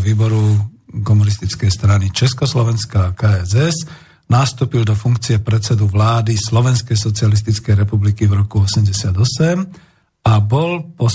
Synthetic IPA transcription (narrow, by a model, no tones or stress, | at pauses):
ʋiːbɔɾukɔmunist̪it͡skɛjst̪ɾanit͡ʃɛskɔslɔʋɛnskakaɛzɛz | nast̪uːpild̪ɔfuŋkt͡siɛpɾɛtt͡sɛd̪uʋlaːd̪islɔʋɛnskɛjsɔt͡sialis̬t̪it͡skɛjɾɛpublikivɾɔkuɔsɛmɟɛsɪad̪ɔsɛm | abɔlpɔ